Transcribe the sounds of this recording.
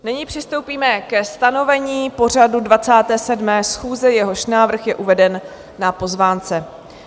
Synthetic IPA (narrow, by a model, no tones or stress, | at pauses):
nɪɲiːpr̝̥ɪst̪o̞wpiːmɛkɛst̪ano̞vɛɲiːpo̞r̝adudvat͡saːt̪ɛːsɛdmɛːsxuːzɛjɛɦo̞ʃnaːvr̩xjɛʔuvɛdɛnː | apo̞zvaːnt͡sɛ